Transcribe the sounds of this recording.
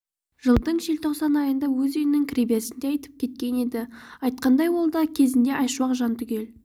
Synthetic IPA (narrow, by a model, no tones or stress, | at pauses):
ʒ̥əlˠd̪əɴʒelt̪ʰo̞qsɑnɑjənd̪ɑwɵzejɪnɪŋkʲʰɾibesɪnd̪e̞ɑjt̪əp̚kʲʰe̞t̪̚kʲe̞ne̞d̪ɪɑjt̪̚qɑnd̪ɑjwolˠd̪ɑkʲʰe̞zɪnd̪e̞ʔɑjʃuɑqʒɑnt̪ʰʏkʲe̞l